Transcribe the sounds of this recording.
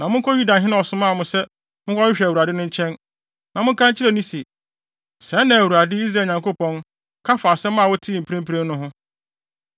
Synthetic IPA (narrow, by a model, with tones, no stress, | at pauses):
nã˨mʊ̃˦ŋ˦kʰɔ˦ju˦da˨ɦɪ̃˦nã˦ɔ˨sʊ̃˦mã˦˨mʊ̃˨sɛ˦ | mʊ̃˦kʰɔ˦ɪ˦ɕᶣæ˨wu˨ɾa˨dɪ˦nʊ̃˦ɲ̩˦t͡ɕʰɛ̃˦n | nã˨mʊ̃˦kʰã˦ɲ˦t͡ɕʰɪ˦ɾɛ˨nĩ˦si˨ | sɛ̃˨˦nã˨æ˨wu˨ɾa˨dɪ˦i˦s̬ɾa˨ɲã˨ŋko˦pɔ̃˦n | kʰa˦fa˨sɛ˦mã˦˨wɔ˦tʰi˦˨m̩˨pʰɾẽ˦m̩˦pʰɾẽ˦mnʊ̃˦ɦʊ̃˦